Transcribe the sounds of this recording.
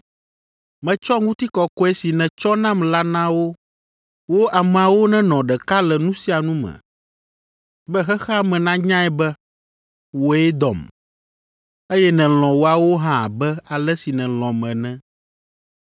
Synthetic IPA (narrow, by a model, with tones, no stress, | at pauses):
mɛ̃˨t͡ʃɔ˦ŋũ˦t̪i˦kɔ˨kɔ˦ɛ˦si˨nɛ̃˨t͡ʃɔ˦nã˦mla˦nã˦wo˦ | wo˦ʔa˨mɛ̃˨a˨wo˦nɛ̃˦nɔ̃˨ɖɛ˨ka˦lɛ˨nũ˦si˦a˨nũ˦mɛ̰̃˨ | bɛ˦xɛ˦xɛ˦mɛ̃˨nã˦ɲã˦ɛ˦bɛ˦ | wo˨ɛ˦d̪ɔ̰˨m | e˦jɛ˦nɛ̃˨l̃ɔ̃˨wo˨a˨wo˦ɦã˦˨bɛ˦a˨lɛ˦si˨nɛ̃˨l̃ɔ̃˨mɛ̃˨nɛ̃˦